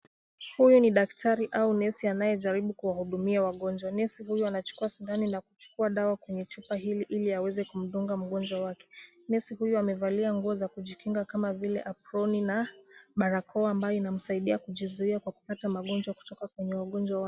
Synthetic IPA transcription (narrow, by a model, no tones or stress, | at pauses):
hujuniɗaktʰaɾiʔaunɛsianajɛʄaɾiɓukuwahuɗumiawaɠɔnd͡ʒwanɛsiɦujɔanat͡ʃu̥kuasindaninaku̥t͡ʃu̥kuaɗawakwɛɲɛt͡ʃupaɦiliʔiliawɛzɛkum̩ɗuŋɡam̩ɠɔnd͡ʒwawakɛ̥ | nɛsihujuamɛvaliaŋɡuɔzakuʄikiŋɡakamavilɛʔapɾɔninaɓaɾakʰɔːmbajɔinam̩saiɗiakuʄizuiakwaku̥patamaɠɔnd͡ʒwaku̥tɔkakwɛɲɛwaɠɔnd͡ʒwawa